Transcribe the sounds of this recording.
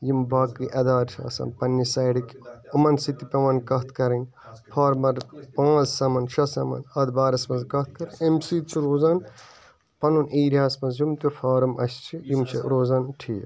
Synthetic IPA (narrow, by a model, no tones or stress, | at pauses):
jimbaːkiʔɐd̪aːɾt͡ʃʰɐ̰sɐ̰npɐnːisɐːɽikʲumɐnsit̪ipʲɐʋɐnkɐt̪ʰkɐɾɐnʲ | pʰaːɾmɐɾpãːzsɐmɐnʃʰɐsɐmɐ̰nɐd̪baːɾɐsmɐnzkɐt̪̚ʰkɐɾɐnʲemsit̪̚t͡ʃʰiɾoːzɐn | pɐnuniːɾʲjaːsmɐnzjumt̪ufʰaːɾɐmɐ̰st͡ʃʰijimt͡ʃʰiɾoːzɐnʈʰiː